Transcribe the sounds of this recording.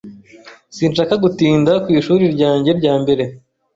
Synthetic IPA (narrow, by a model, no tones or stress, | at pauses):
siːnʃaːkaɡutiːndakwiːʃuːɾiɾɟaːɲɟe̞ɾɟaːmbe̞ɾe̞